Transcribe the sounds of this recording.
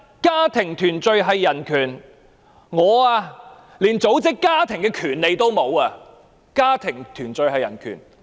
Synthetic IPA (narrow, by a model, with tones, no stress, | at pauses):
kaː˥t̪ʰɪ˨˩ŋt̪ʰyː˨˩nt͡sɵ˧ɥɦɐ˨jːɐ˨˩nkʰyː˨˩n | ŋɔː˨˧aː˧ | liː˨˩nt͡so˨˥wt͡sɪ˥kːaː˥t̪ʰɪ˨˩ŋkɛː˧kʰyː˨˩nle˨˧jt̪o˥wmo˨˧waː˧ | kaː˥t̪ʰɪ˨˩ŋt̪ʰyː˨˩nt͡sɵ˧ɥhɐ˨jɐ˨˩nkʰy̰ː˨˩n